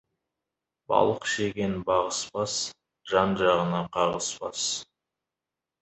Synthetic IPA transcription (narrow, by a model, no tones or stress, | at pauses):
bɑ̰lˠəqʃeɡʲe̞nbɑʁəspɑs | ʒ̥ɑnʒɑʁənɑqʰɑʁəspɑ̰s